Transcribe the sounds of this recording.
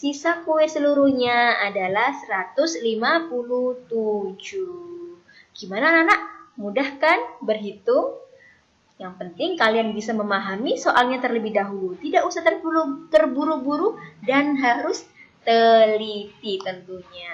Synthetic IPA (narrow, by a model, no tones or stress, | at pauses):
sisakuwɛsəluɾuhɲaadalahsəɾat̪ʊslimapuluht̪ud͡ʒu | ɡ̥imanananaʔmudahkanbərɦit̪ʊŋ | jaŋpənt̪ɪŋkalianbisaməmaɦamisoʔalɲat̪ərləbɪhdaɦulut̪idaʔusaht̪ərbulut̪ərbuɾubuɾudanɦaɾʊst̪əlit̪it̪ənt̪uɲa